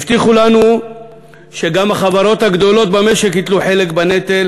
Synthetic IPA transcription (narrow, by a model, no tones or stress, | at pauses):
ft̪iχulanu | ʃe̞ɡamaχavaɾo̞t̪haɡd̪o̞lo̞t̪̚bame̞ʃekhit̪luħe̞lekbanet̪el